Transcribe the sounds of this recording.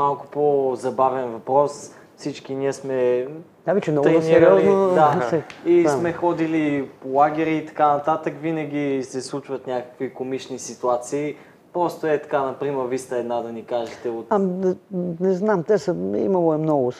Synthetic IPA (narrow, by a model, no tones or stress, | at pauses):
malˠkʊ̥pozɐbavɛnvɐpɾɔs | fsit͡ʃkiniəsmɛ | d̪avit͡ʃɛnɔɡ̪inɛɾiɔznod̪aɛismɛxɔd̪ilipolˠaɡ̟ɛɾiːt̪ɐ̥kanɐt̪at̪əkvinɐɡ̟ʲisɛslˠut͡ʃvət̪nʲakə̥kvikomit͡ʃnisit̪uat̪siː | pɾɔst̪oɛt̪ɐ̥kanɐpɾimɛɾvist̪ɐɛd̪nad̪ɐnikaʒɛt̪ɛot̪a | nɛznamt̪ɛsəḭmɐlˠoɛmnɔɡʊ